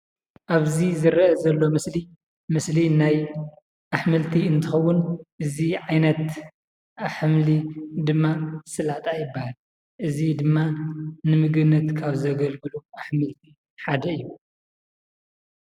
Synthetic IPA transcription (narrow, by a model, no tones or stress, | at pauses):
ʔaβzizɨɾʔɐzɐlːo̞mɨsli | mɨslinaj | ʔaħmɨlt̪ʰiɨnt̪ʰɨxɐwːʊnʔɨziʕajnɐt̪ | aħmlid̪ɨmːasɨlaʕt̪ʼajɪbːahal | ʔɨzid̪ɨmːanɨmɨɡɨβnːɐt̪kʰaβzɐɡɐlɡɨluaħmɨlt̪ʰi | ħad̪ɐɨjːu